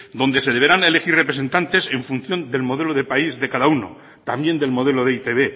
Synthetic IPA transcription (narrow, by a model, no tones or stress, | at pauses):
d̪o̞nd̪e̞se̞ðe̞βe̞ɾane̞le̞xire̞pɾe̞se̞nt̪ant̪e̞se̞ɱfun̟θjo̞nd̪e̞lmo̞ð̞e̞loð̞epaizðe̞kaðauno̰ | t̪ambje̞nd̪e̞lmo̞ð̞e̞lo̞ðeit̪e̞βe̞